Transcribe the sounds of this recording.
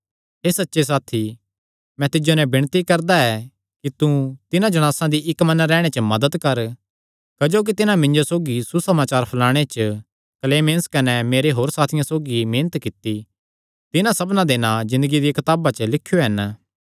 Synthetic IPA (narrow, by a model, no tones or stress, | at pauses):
ɦeːsɐtːʃes̬aːt̪ʰi | mɛ̃t̪ɪd͡ʒonɛ̃bɪɽ̃t̪ikɐɾd̪aɛ | kit̪ut̪ɪnãd͡ʒɐɽ̃aːsãd̪iʔɪkmɐ̃nɾɛːɽ̃et͡ʃəmɐd̪əd̪kɐɾ | kɐd͡ʒoːk̬it̪ɪnãmɪ̃ɲd͡ʒosoːɡisusɐmaːt͡ʃaːɾpʰɐlaːɽ̃et͡ʃə | kleːmẽːnskɐnɛmeːɾeɦoːɾsaːt̪ʰɪjãsoːɡimẽːnət̪kɪt̪ːi | t̪ɪnãsɐbnãd̪eːnad͡ʒɪ̃nd̪əɡid̪ikɐt̪aːbat͡ʃəlɪkʰːjoɦɐn